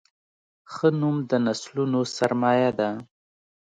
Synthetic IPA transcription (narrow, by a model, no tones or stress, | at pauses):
xənumd̪ənaslunosaɾmɑjad̪a